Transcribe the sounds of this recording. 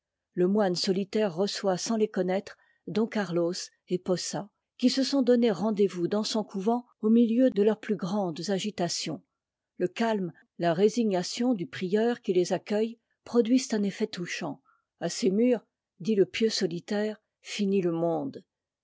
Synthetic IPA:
ləmwansɔlit̪ɛʁːəswasɑ̃lekɔnɛt̪χ | d̪ɔ̃kaʁlos | epɔsa | kʲisəsɔ̃d̪ɔneʁɑ̃d̪evud̪ɑ̃sɔ̃kʰuvɑ̃ | omiljød̪əlœʁplyɡʁɑ̃d̪zaʒit̪asjɔ̰̃ | ləkalm | laʁeziɲasjɔ̃d̪ypχijœʁkʲilezakʲœj | pχɔd̪ɥizt̪ɛ̃nefɛt̪uʃɑ̃ | asemyːʁ | d̪iləpjøsɔlit̪ɛːʁ | finiləmɔ̃d̪

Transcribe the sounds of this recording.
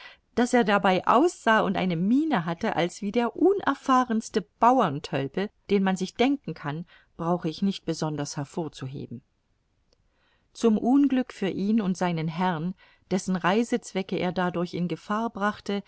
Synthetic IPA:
d̥aseːɐdabaɪʔa̰ʊsz̥aːʊntʔa̰ɪnəmiːnəɦatəʔa̰lsv̥iːdeːɐʔʊːnʔɛɐfaːʁənstəb̥aʊɐntʰœlpəd̥eːnmanzɪçd̥ɛŋkŋ̩kʰan | b̥ʁaʊxəɪçnɪçt̚b̥əzɔndɐshɛɐfoːɐt͡suɦḛːbm̩ | t͡sʊmʔuːnɡlʏkfyːɐʔiːnʊntz̥aɪnənɦɛʁn | d̥ɛsn̩ʁaɪzət͡sv̥ɛkəʔeːɐdadʊɐçɪnɡəfaːɐbʁaχtə

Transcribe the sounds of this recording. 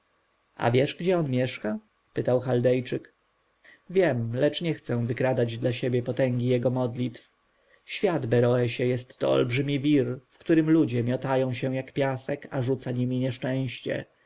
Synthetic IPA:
a̰vʲjɛʂɡd͡ʑɛɔnmʲjɛʂka | pɘt̪awxald̪ɛjt͡ʂɘk | vʲjɛmlɛt͡ʂɲɛxt̪sɛ̃vɘkɾad̪ad͡ʑd̪laɕebʲjɛpɔt̪ɛŋɡʲijɛɡɔmɔd̪lʲit̪f | ɕfʲjad̪bɛɾɔɛɕɛjɛst̪ːɔ̰ɔ̰lbʐɘmʲivʲiɾfkt̪uɾɘmlud͡ʑɛmʲjɔt̪ajɔ̃w̃ɕɛ̃jakpʲjasɛkaʐut̪saɲimʲiɲɛʂt͡ʂɛ̃w̃ɕt͡ɕɛ̰

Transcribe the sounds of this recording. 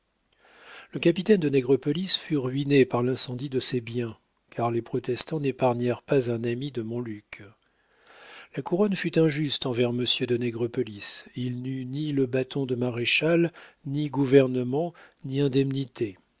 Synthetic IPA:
ləkapit̪ɛnd̪ənɛɡʁəpɔlisfyʁɥinepaʁlɛ̃sɑ̃d̪id̪əsebjɛ̃ | kʰaʁlepχɔt̪ɛst̪ɑ̃nepaʁɲɛʁpazɛ̃namid̪əmɔ̃lyk | lakuʁɔnfyt̪ɛ̃ʒyst̪ɑ̃vɛʁməsjød̪ənɛɡʁɔpɔlisilnyniləbat̪ʰɔ̃d̪əmaʁeʃalniɡuvɛʁnəmɑ̃niɛ̃d̪ɛmnit̪ʰe

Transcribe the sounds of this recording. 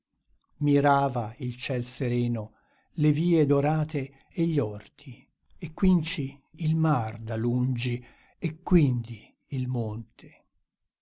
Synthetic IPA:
miɾaːvailt͡ʃɛlseɾɛːno | leviːed̪oɾaːt̪e | eʎːɔrt̪ʰi | ekːwint͡ʃiːlmard̪alund͡ʒi | ekːwind̪iː | lmont̪ʰe̥

